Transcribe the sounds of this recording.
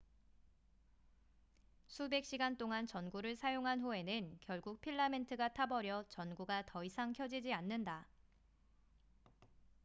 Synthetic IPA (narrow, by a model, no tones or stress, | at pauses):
sʰube̞k̚ɕ͈iɡant͈oŋant͡ɕʌnɡuɾɯɭsʰajoŋɦanɸue̞nɯnkjʌɭɡuk̚pʰiɭːame̞ntʰɯɡatʰabʌɾjʌt͡ɕʌnɡuɡatʌisʰaŋkʰjʌd͡ʑid͡ʑianːɯnda